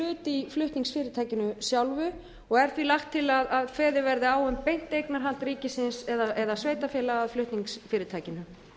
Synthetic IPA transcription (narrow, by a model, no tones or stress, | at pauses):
ʏːt̪iflʏht̪niŋsfɪːɾɪt̪ʰaːjcɪnʏsjawlvʏ | ɔɣɛɾ̥θvilaxt̪ʰːɪlaðaðfɛːðɪvɛɾðɪaːwʏmpejn̥t̪ejknaɾ̥ɦal̥t̪riːcɪsɪnsɛðaʔɛðasveːjt̪afɪlaaðflʏht̪niŋksfɪːɾɪt̪ʰaːjcɪnʏ